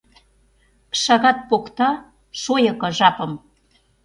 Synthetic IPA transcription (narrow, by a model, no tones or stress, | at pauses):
ʃɑɣɑt̪̚pokt̪ɑ | ʃojɤ̆kɤ̆ʒɑpə̆m